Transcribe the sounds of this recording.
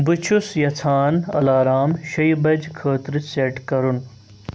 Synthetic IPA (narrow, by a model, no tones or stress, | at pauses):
bɨt͡ʃʰusjɐt͡s̪ʰaːnɐ̰laːɾaːmʃɐjbɐd͡ʑkʰəːt̪ɾɨseʈkɐɾun